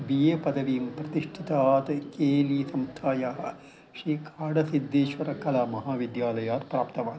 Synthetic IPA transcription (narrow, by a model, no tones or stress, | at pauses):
bijeːpɐd̪ʱɐʋiːmpɾɐt̪iʂʈʰit̪aːt̪keːliːsɐmst̪ʰaːjaːɦɐ | ʃɾiːkʰaːɽɐsid̪ːeːʃʋɐɾɐkɐlaːmɐɦaːʋid̪jaːlɐjaːɾpɾaːpt̪ɐʋaːn